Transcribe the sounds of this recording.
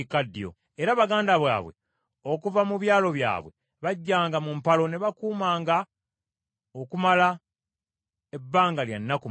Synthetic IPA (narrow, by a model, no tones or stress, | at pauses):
ikadːjo̰ | eɾaβaɡaːndaβwa̰ːβwe̞̰ | o̞kuvamuβjaːlo̞βja̰ːβwe̞̰ | βaɟːaːŋɡamumpalo̞neβakuːmaːŋɡa | okumala | e̞bːaːŋɡalja̰nːaku